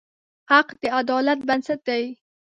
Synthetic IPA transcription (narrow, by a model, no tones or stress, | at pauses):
haqd̪̥əad̪ɑlat̪̚bansat̪̚d̪aj